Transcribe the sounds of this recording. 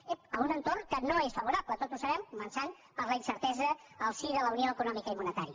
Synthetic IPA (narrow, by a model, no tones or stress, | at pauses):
eəmunənt̪ornkənoesfəβuɾaplət̪ot̪usəβɛmkumənsan | pəɾləinsəɾt̪ɛzəː | lˠsiðələunioəkunɔmikəimunət̪aɾiə